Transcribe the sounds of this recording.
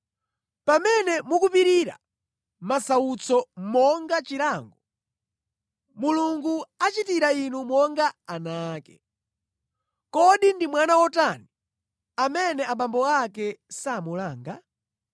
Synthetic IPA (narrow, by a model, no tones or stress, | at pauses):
pamɛnɛmukupiɾiɾa̰ | masaut͡sʰɔmɔŋɡat͡ʃiɾaːŋɡɔ | muluŋɡuat͡ʃitiɾainumɔŋɡaanaːkɛ | kɔɗindimwanawɔtani | amɛnɛaɓambɔakɛsaːmulaːŋɡa̰